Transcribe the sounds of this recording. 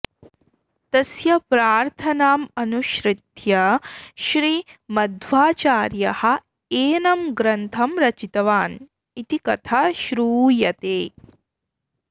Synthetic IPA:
t̪ɐsjɐpɾaːɾt̪ʰɐnaːmɐnuʃɾɪt̪jɐʃɾiːmɐd̪ʋaːt͡ʃaːɾjɐhɐ̆ | eːnɐmɡɾɐnt̪ʰɐmɾɐt͡ʃit̪ɐʋaːn | it̪ikɐt̪ʰaʃɾuːjɐt̪eː

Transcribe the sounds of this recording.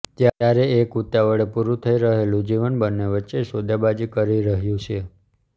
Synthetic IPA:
t̪jaaɾeekut̪jaʋəɭepuɾũt̪ʰəiɾəɦelũd͡ʒiʋənbənːeʋətːʃesod̪jabad͡ʒikəɾiɾəɦjũt͡ʃʰe

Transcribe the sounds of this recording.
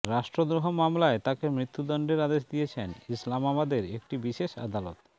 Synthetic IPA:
ɾaʃʈɾod̪ɾoɦomamlaet̪akemɾit̪ːud̪ɔɳɖeɾad̪eʃd̪ijet͡ɕʰenislamabad̪eɾekʈibiʃeʃa̰d̪alo̰t̪

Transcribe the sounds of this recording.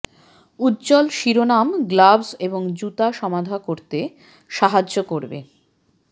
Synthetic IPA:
ut̪ːt͡ɕɔlʃiɾonamɡlabseboŋd͡ʑut̪aʃɔmad̪ʱakoɾt̪e | ʃaɦad͡ʑokoɾbḛ

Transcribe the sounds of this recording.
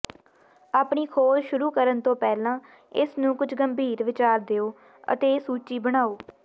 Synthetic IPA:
aːpɳiːkʰoːlʃʊɾuːkəɾənt̪õːpɛːlãː | ɪsnũːkʊd͡ʒʰɡəmbʱiːɾʋɪt͡ʃaːɾd̪eːoː | ə̰t̪eːsuːt͡ʃiːbəɽ̃aːoː

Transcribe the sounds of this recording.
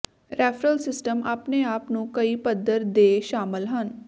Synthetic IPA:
ɾʔɛːfɾəlsɪsʈəmaːpneːaːpnũːkəiːpəd̪əɾd̪eːʃaːmɪlɦən

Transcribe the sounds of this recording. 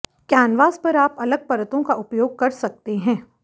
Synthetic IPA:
kjaːnʋaːzpɐɾaːpɐləɡ̚pɐɾət̪õkaʔʊpjoːɡ̚kɐɾsɐk̚t̪eɦɛ̃ː

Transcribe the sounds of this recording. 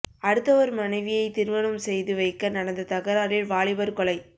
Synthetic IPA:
ɐɽɯt̪ːɐʋɐɾmɐnɐɪʋɪjɐɪt̪ɪɾɯʋɐnɯmsɛjðɯʋɐɪkːɐnɐɽɐnd̪ɐt̪ɐɣɐɾaːɾɪlʋaːɭɪbɐɾkɔɭɐɪ

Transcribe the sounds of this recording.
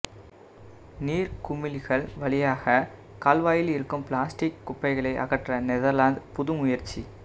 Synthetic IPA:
niːɾkʊmɪlɣɐɭʋɐɭɪjaːɣɐ | kaːlʋaːjɪlɪɾɯkːɯmpɭaːsʈɪkːʊpːɐɪɣɐɭɐɪʔɐ̰ɣɐʈrɐnɛðɐɾlaːnd̪pʊðɯmʊjɐɾt͡ʃːi

